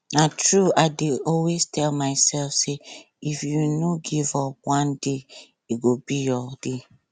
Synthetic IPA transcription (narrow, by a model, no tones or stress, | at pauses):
natɹuaɪdeɔlweztʰɛlmaɪsɛlfse | ifjunoɡivɔpwãnde | iɡobijɔd̥e